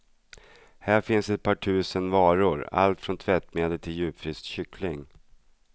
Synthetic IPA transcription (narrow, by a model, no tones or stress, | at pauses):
hæːɾfɪnsɛt̪̚pʰɑːʈʰʉ̟ːsənvɑːɾʊɾa̰lt̪fɾɔnt̪ʰvɛt̪meːd̪əlt̪ʰɪljʉ̟ːpfɾɪst̪ɕʏklɪŋ